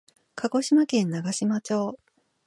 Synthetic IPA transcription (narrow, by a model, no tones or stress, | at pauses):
kʰaɡo̞ɕimakẽ̞nːaɡaɕimat͡ɕo̞ː